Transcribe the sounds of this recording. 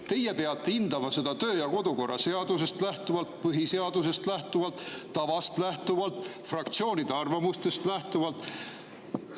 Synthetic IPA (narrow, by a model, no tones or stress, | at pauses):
t̪e̞jepe̞ɑt̪ːeind̪̥ɑmɑse̞d̪ɑt̪ø̞ːjɑko̞d̪̥uko̞rʔɑse̞ɑd̪us̬e̞st̪læht̪uvɑlt̪pɯɦise̞ɑd̪̥use̞st̪læht̪uvɑlt̪ːɑvɑst̪læht̪uvɑlt̪ˑ | frɑkt̪sio̞ːnid̪̥e̞ɑrvɑmust̪e̞st̪læht̪uvɑlt̪ːˑ